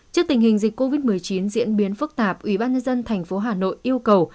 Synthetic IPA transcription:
t͡ɕi˦˥ək̚t̪ï˨˩ŋ̟hï˨˩ŋ̟zi˨˩k̟ko˧vi˦˥t̚mɨ˨˩əjt͡ɕi˨˦nzḭ˧˥ənɓi˨˦ənfɨ˦˥k̚t̪aː˨˩p̚ʔwi˧˩ɓaː˧nɲə˧nzə˧nt̪ʰa˨˩jŋ̟fo˨˦ɦaː˨˩no̰˧˨jʔi˧əwkə˨˩w

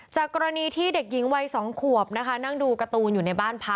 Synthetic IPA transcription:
t͡ɕaː˨˩kkːɔː˧ɾa˧niː˧t̪ʰiː˥˩de˨˩k̚ji˩˦ŋwa˧jsɔː˩˦ŋkʰu˨˩əp̚na˦˥kʰa˦˥na˥˩ŋduː˧ka˧t̪uː˧njuː˨˩na˧jbaː˥˩npʰa˦˥

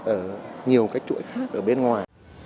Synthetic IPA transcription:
ʔəː˧˩ɲi˨˩əwkaː˨˦jk̚t͡ɕṵ˧˥jxaː˦˥k̚ʔəː˧˩ɓe˧nŋwaː˨˩j

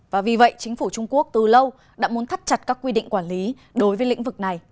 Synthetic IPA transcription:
vaː˨˩vi˨˩və̰˧˨jt͡ɕï˨˦ŋ̟fu˧˩t͡ɕʊ˧ŋ͡mku˦˥ək̚t̪ɨ˨˩lə˧w | ɗa̰ː˧˥mu˨˦ənt̪ʰt̚t͡ɕa˨˩t̚kaː˦˥kːwi˧ɗḭ˧˨ŋ̟kwaː˧˩nli˨˦ | ɗo˨˦jvəː˨˦jlḭ̈˧˥ŋ̟vɨ˨˩k̚na˨˩j

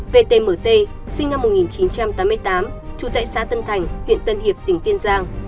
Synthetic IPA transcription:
ve˧t̪e˧məː˧˩t̪e˧ | sï˧ŋna˧mːʊ˨˩t̚ŋi˨˩nt͡ɕi˨˦nt͡ɕa˧mt̪aː˨˦mɨ˧əjt̪aː˨˦mt͡ɕu˧˩t̪a̰ː˧˨jsaː˨˦t̪ə˧nt̪ʰa˨˩jŋ̟hw̰ənt̪ə˧nhi˨˩əp̚t̪ï˨˩ŋ̟t̪i˧ənzaː˧ŋ

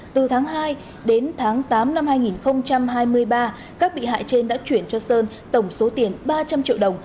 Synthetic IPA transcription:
t̪ɨ˨˩t̪ʰaː˨˦ŋɦaː˧j | ɗe˨˦nt̪ʰaː˨˦ŋt̪aː˨˦mna˧mhaː˧jŋi˨˩nxə˧wŋ͡mt͡ɕa˧mɦaː˧jmɨ˧əjɓaː˧ | kaː˦˥k̚ɓḭ˧˨ɦa̰ː˧˨jt͡ɕe˧nɗa̰ː˧˥t͡ɕwi˧˩ənt͡ɕɔ˧səː˧n | t̪ə˧˩wŋ͡mso˨˦t̪i˨˧˩ənɓaː˧t͡ɕa˧mt͡ɕḭ˧˨əwɗə˨˩wŋ͡m

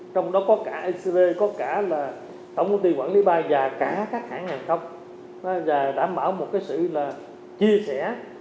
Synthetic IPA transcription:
t͡ɕɔ˧wŋ͡mɗɔ˨˦kɔ˨˦kaː˧˩ʔi˧sve˧kɔ˨˦kaː˧˩laː˨˩ | t̪ə˧˩wŋ͡mt̪ə˧wŋ͡mt̪i˧waː˧˩nli˨˦˥ɓaː˧vaː˨˩kaː˧˩kaː˦˥k̚haː˧˩˦ŋːaː˨˩nxə˧wŋ͡m | a˨˦zaː˨˩ɗa̰ː˧˩mɓaː˧˩wmo˨˩t̚kaː˨˦jsɨ̰˧˨laː˨˩ | t͡ɕi˧əsɛ˧˩

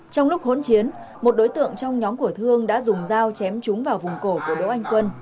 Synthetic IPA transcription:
t͡ɕɔ˧wŋ͡mlʊ˦˥k͡p̚ɦo̰˧˥nt͡ɕi˨˦ən | mo˨˩t̚ɗo˨˦jt̪ɨ̰˧˨əŋt͡ɕɔ˧wŋ͡mɲɔ˨˦mku˧˩ət̪ʰɨ˧əŋɗa̰ː˧˥zʊ˨˩ŋ͡mzaː˧wt͡ɕɛ˨˦mt͡ɕʊ˨˦ŋ͡mvaː˨˩wvʊ˨˩ŋ͡mko˧˩ku˧˩əɗo̰˧˥ʔa˧jŋ̟kwə˧n

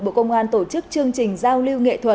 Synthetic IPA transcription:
ɓo̰˧˨kə˧wŋ͡mʔaː˧nt̪o˧˩t͡ɕɨ˦˥k̚t͡ɕɨ˧əŋt͡ɕï˨˩ŋ̟zaː˧wli˧wŋḛ˧˨t̪ʰwə˨˩

